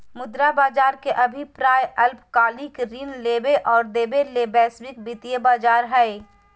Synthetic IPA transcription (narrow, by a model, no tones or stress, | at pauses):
mʊd̪ɾabaːd͡ʒaːɾkeʔɐbʱipɾaːjɐlpkaːlikɾiːnleːbeʔɔːɾd̪eːbeleːbɛːsbɪk̚bit̪ijebaːd͡ʒaːɾɦɛe